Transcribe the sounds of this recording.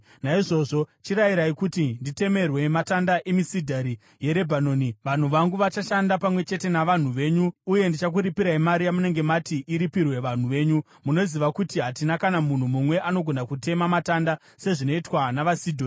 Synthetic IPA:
naiʐo̞ʐo̞t͡ʃiɾajiɾaikutindite̞me̞rwe̞matandaʔe̞misidʱaɾi | je̞ɾe̞bʱanoːniʋan̤uʋaŋɡuʋat͡ʃaʃandapamwe̞t͡ʃe̞te̞naʋan̤uʋe̞ːɲuːje̞ndit͡ʃak̬uɾipiɾaimaɾijamune̞ŋɡe̞matiʔiɾipirwe̞ʋan̤uʋe̞ːɲu | muno̞ziʋakutiɦatinakanamun̤umumwe̞ʔano̞ɡʱo̞nakute̞mamataːnda | se̞ʐino̞itwanaʋasidʱoːni

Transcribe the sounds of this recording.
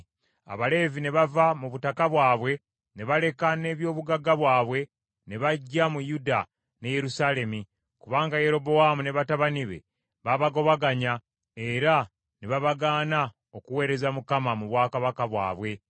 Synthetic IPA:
a̰βale̞ːvine̞βavamuβutakaβwaːβwe̞ | ne̞βale̞kane̞ːβjo̞ːβuɡaɡaβwaːβwe̞ | ne̞βaɟːamujuda | ne̞je̞ɾusale̞mi | kuβaːŋɡaje̞ɾo̞bo̞wamune̞βataβaniβe̞̰ | βaβaɡo̞βaɡaɲa | eɾa | neβaβaɡaːna | o̞kuwe̞ːɾe̞zamukamamuβwaːkaβakaβwa̰ːβwe̞

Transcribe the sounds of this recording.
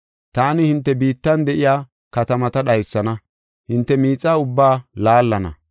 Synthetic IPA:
t̪aːnɪhɪnt̪ːɛbiːt̪ːɐnd̪ɛʔɪjaː | kɐt̪ɐmɐt̪ɐɗɐjsːɐnɐ | hɪnt̪ːɛmiːt͡sʼːaːʊbːaːlaːlːɐnɐ̰

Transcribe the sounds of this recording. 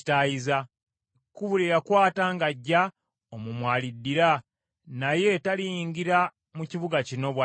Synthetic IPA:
tajiza | kuβuliɾakwaːtaːŋɡaɟːa | omumwaːlidːiɾa | naje̞talijiŋɡiɾa | muciβuɡacino̞βwa

